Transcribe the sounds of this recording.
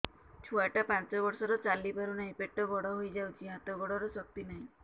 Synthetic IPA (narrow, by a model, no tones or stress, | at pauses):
t͡ʃʰuaʈapant͡ʃɔbɔɾsɔɾɔt͡ʃalibʱaɾunaɦĩpeʈɔɡɔɽɔɦojd͡ʒawt͡ʃʰiɦat̪ɔɡɔɽɔɾɔsɔk̚t̪inaɦĩ